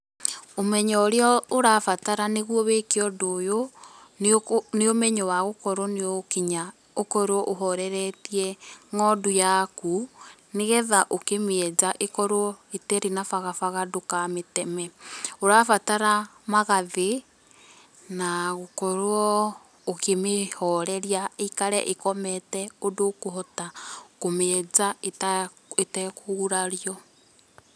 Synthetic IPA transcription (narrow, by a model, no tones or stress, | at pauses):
omɛɲɔɾeɔoɾafataɾaneɣwɔβekeɔdojo | neomɛɲɔwaɣokɔɾwɔneokiɲa | okɔɾwɔʔoɦɔɾɛɾɛtiɛŋɔdojakuneɣɛðaʔokemɛd͡ʒaʔekɔɾoɔetɛɾenafaɣafaɣadokametɛmɛoɾafataɾamaɣaðe | naɣokɔɾwɔ | okemehɔɾɛɾjaekaɾɛ̰ʔekɔmɛtɛodokoɦɔtakomeɛzaet | etɛkoɣuɾaɾjɔ